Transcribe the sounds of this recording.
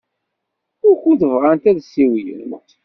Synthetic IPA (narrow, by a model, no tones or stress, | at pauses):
ʊɾçuθəvʁant̪æðsːiwijə̰nt̪